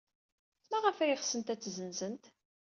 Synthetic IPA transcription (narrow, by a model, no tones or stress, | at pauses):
mæʁəfæjɪχsənt̪æt͡sːzənzənt̪